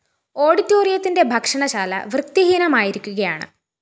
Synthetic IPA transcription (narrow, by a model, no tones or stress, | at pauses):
o̞ːɽitːoːrijɐt̪ːinde̞bʱɐkʂɐɳɐɕaːlɐ̰ʋrɨk̚t̪iɦinɐmaːjiɾikʲːuɣɐjaːɳɨ̰